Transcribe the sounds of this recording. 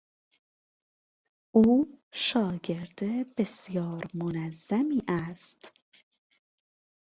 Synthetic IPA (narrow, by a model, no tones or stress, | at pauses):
ʔuːʃɒːɟe̞ɾd̪ebe̞sjɒːɾmonæzːæmiːʔæst̪